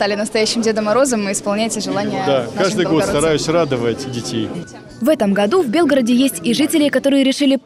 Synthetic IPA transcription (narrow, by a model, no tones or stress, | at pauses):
st̪alʲɪnəst̪ɐjæɕːɪmdʲed̪əmɐɾo̞zəmːɨɪspɐlˠnʲætʲɪʐɨlˠanʲɪjəd̪akaʐd̪ɨj̪ɡo̞t̪t̪ɐɾajʊsʲrad̪əvətʲdʲɪtʲej | vɛt̪əmɡɐd̪uvbʲe̞lˠɡəɾədʲɪjesʲtʲiʐɨtʲɪlʲɪkɐt̪o̞ɾɨjəɾʲɪʂɨlʲɪ